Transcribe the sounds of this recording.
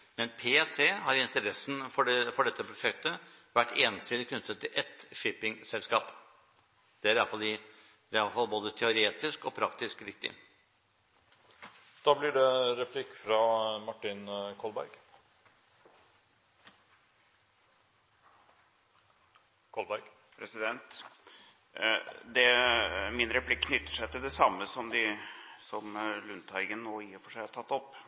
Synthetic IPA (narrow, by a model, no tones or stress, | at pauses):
mɛnpʰeːt̪ʰeːhɑɾɪnt̪əɾɛsn̩fɔfɔɖɛt̪ːəpʰɾʊʂɛk̚t̪ə | ʋæʈːeːnsɪd̪ɪkʰnʏt̪ːət̪ʰːɪlʔɛt̪ʂɪpːɪŋsɛlskɑːp | d̪̥ɛæɾɑlfɑldɪ | d̪ɛɾɑlfɑlboːd̪ət̪ʰɛʊɾeːt̪ɪskɔpʰɾɑkt̪ɪskɾɪk̚t̪ɪ̰ | d̪̥ɑːblɪɖɛɾɛpʰlɪkːfɾɑmɑʈːɪnkʰɔlbæ̰ɾɡ | kʰɔlbæɾɡ | pʰɾɛsɪd̪ɛnt̪ | d̪ɛmɪnɾɛpʰlɪkːʰnʏt̪ːəʂæɪt̪ɪld̪ɛsɑmːəsɔmd̪ɪsɔmlʉnt̪ʰɑɪɡənnoːjɪɾfɔʂæɪhʈ̪ʰɑt̪ːɔpː